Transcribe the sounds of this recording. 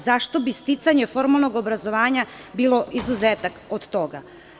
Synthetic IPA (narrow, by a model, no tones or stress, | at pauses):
zaʃt̪o̞bist̪it̪saɲefo̞ɾmalˠno̞ɡobɾazo̞ʋaːɲabiːlˠo̞ʔizuzeːt̪akod̪t̪oɡa̰